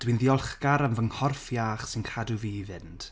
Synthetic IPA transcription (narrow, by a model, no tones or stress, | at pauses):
d̥winðiɔlˠχɡaɾamvəŋhɔrfjaːχsɪnkʰaduviːvɪnd̥